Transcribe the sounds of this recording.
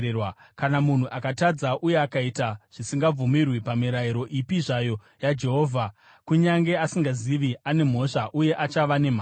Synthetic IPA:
wakanamun̤uʔakatad͡zaʔuje̞akaitaʐ̥isiŋɡab͡vumirwipamiɾaiɾo̞ʔipiʐajo̞ | jad͡ʒe̞ɦo̞ːvʱa | kuɲaŋɡe̞asiŋɡaziʋiane̞m̤o̞ʂaʔuje̞ʔat͡ʃaʋane̞m̤aː

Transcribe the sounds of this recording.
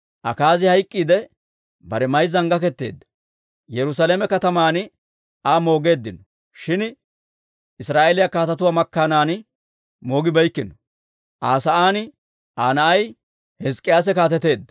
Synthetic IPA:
ʔɐ̰kaːzɪhɐjkʼːiːd̪ɛ | bɐɾɛmɐjzɐŋɡɐkɛt̪ːe̞̰ːd̪ːɐ̥ | jɛɾʊs̬aːleːmɛkɐt̪ɐmaːn | aːmo̞ːɡe̞ːd̪ːɪnɔ | ʃɪn | ɪsɾaːʔelɪjakaːt̪ɐt̪ʊwaːmɐkːanaːn | moːɡɪbɐjkːɪnɔ | ʔaːsɐʔaːnɪ | ʔaːnɐʔɐj | hɛskʼːɪjaːs̬ɛkaːt̪ɛt̪e̞ːd̪ːɐ

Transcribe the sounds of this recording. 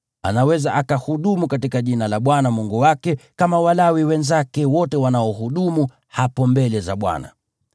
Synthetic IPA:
a̰nawɛzaʔakahuɗumukatikaʄinalaɓwanamuŋɡuwakɛkamawalawiwɛnzakɛwɔtɛwanaɔɦuɗumu | hapɔmbɛlɛzaɓwa̰na̰

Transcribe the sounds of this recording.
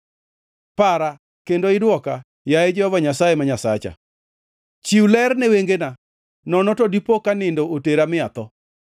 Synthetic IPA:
paɾa | kendoɪdwɔka | jaed͡ʒɔhɔvaɲasajemaɲasa̰t͡ʃa̰ | t͡ʃiwlɛrnɛweŋɡena | nɔnɔtodipokanɪndooteɾamɪat̪ɔ

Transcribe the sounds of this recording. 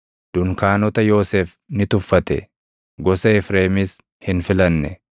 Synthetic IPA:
d̪̥ʊŋkaːnɔt̪ɐjo̞ːseːf | nɪt̪ʊfːɐt̪ɛ̰ | ɡɔsɐɪfɾeːmɪs | hɪnfɪlɐnːɛ̰

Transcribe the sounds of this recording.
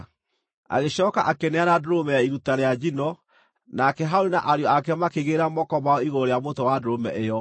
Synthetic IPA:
a̰ɣeɕɔːkaʔakenɛanadoɾomɛjaiɾutaɾead͡ʑinɔ | nakɛɦaoɾinaʔaɾjɔakɛmakeɣeɾamɔkɔmaɔiɣooɾeamotowadoɾomɛ̰ʔejɔ

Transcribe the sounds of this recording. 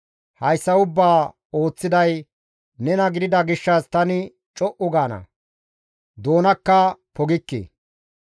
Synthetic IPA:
hɐjsːɐʊbːaː | o̞ːt͡sːɪd̪ɐj | nɛnɐɡɪd̪ɪd̪ɐɡɪʃːɐst̪ɐnɪ | t͡ʃʼɔʔʊɡaːnɐ̰ | d̪o̞ːnɐkːɐpɔɡɪkːḛː

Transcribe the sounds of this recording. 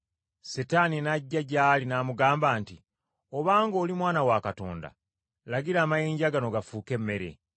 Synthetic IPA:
setaninaɟːaɟaːlinaːmuɡaːmbaːnti | oβaːŋɡo̞ːlimwaːnawakato̞̰ːnda̰ | laɡiɾaːmajeːɲɟaɡano̞ɡafuːke̞mːe̞ɾe̞̰

